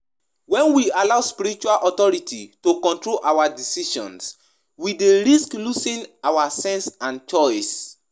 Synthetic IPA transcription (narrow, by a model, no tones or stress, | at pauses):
wɛ̃nwialaʊspiɾɾit͡ʃualʔɔtɔɹitʰitokɔ̃ntɹolʔawadisiʃɔ̰̃ns | wideɹisklusĩnawasɛ̃nsãnt͡ʃɔɪs